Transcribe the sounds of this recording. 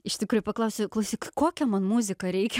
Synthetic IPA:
ɪʃʲt̪ʲɪkɾuːjʊpɐklˠɐʊsʲoklˠɐʊsʲɪkkoːkʲɛmɐnmuzʲɪkɐɾʲɛɪkʲɛ

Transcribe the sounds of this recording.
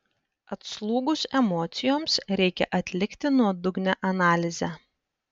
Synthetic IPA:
ɐt̪slˠuːɡʊsɛmɔːt̪sʲɪjoːmsɾʲɛɪkʲɛ̰ʔɐt̪ʲlʲɪkʲt̪ʲɪnuɔd̪ʊɡnʲɛʔɐnɑːlʲɪzʲæ

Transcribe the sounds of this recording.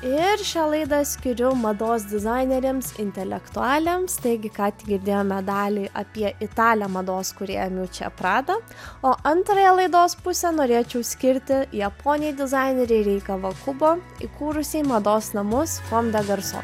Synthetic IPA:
ɪɾʃʲɛːlˠɐɪd̪ɐsʲkʲɪɾʲʊmɐd̪oːs̬d̪ʲɪzɑɪnʲɛɾʲemsɪ̰nʲt̪ʲɛlʲɛkt̪ʊɑːlʲeːmst̪ɐɪɡʲɪkɑːt̪ʲɪɡʲɪɾʲd̪ʲeːjoːmʲɛd̪ɑːlʲiːʔɐpʲiɛʔɪt̪ɑːlʲɛmɐd̪oːskʊɾʲḛːjɛmjuːt͡ʃʲɛ̰pɾɑːd̪ɐoːʔɐnt̪ɾɐjɛlˠɐɪd̪oːspʊsʲɛnoːɾʲeːt͡ʃʲɛʊsʲkʲɪɾʲt̪ʲɪjɛpoːnʲɪjɛd̪ʲɪzɑˑɪnʲeɾʲɛɪɾʲɛɪkɐʋɐkʊboːɪ̰kuːɾʊsʲɛɪmɐd̪oːsnɐmʊskomʲd̪ʲɛɡɐɾso̰

